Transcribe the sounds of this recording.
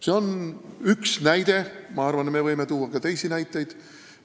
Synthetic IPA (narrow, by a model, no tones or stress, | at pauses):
se̞o̞nyksnæjd̪̥e̞mɑɑrvɑnme̞vɤjmet̪uːwːɑkɑt̪e̞jsinæjt̪ːˑe̞jd̪̥